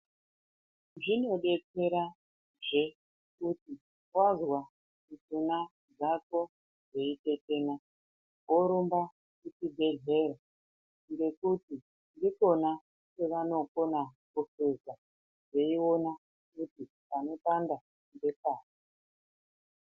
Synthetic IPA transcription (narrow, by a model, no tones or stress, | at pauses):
ʐino̞ɗe̞t͡se̞ɾa | ʐe | kuti | kwazwa | kut͡suna | d͡zako̞ | d͡zeite̞te̞ːna | oɾumba | kutibʱe̞ɮe̞ɾa | ŋɡe̞kuti | ndiko̞na | keʋano̞ko̞nakusesa | ʐe̞iona | kuti | pano̞tanda | nde̞paːni